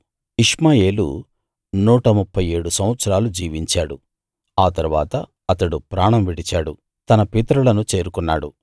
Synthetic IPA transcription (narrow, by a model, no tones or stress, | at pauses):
iʂmaːje̞ːlṵ | nuːʈɐmupʰːɐje̞ːɽusɐm̃ʋɐt̪sɐɾaːlud͡ʒiːʋiɲt͡ʃaːɽu | aːt̪ɐɾuʋaːt̪ɐ | ɐt̪ɐɽupɾaːɳɐmʋiɽit͡ʃaːɽu | t̪ɐnɐpit̪ɾulɐnut͡ʃe̞ːɾukunːaːɽu